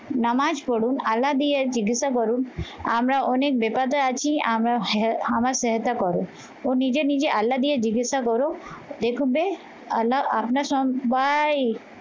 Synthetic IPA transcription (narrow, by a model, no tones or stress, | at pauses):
namad͡ʒpɔɽunalːad̪ijeɾd͡ʒiɡisakɔɾuna̰mɾaʔɔnek̚bepat̪aat͡ʃʰiamɾaamaɾseɦt̪akɔɾu | onid͡ʒenid͡ʒeʔalːad̪ijeɾd͡ʒiɡit̪sakɔɾod̪ekʰũbe | laapnaɾsɔmbaj